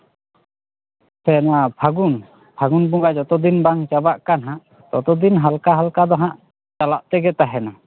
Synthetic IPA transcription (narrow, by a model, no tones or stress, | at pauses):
sɛnabʰʱaɡun | bʰʱaɡunbuŋɡad͡ʒɔt̪ɔd̪inbaŋt͡ʃabaʔkanɦãʔ | t̪ɔt̪ɔd̪inɦalkaɦalkad̪ɔɦãʔ | t͡ʃalaʔt̪ɛɡɛt̪aɦɛna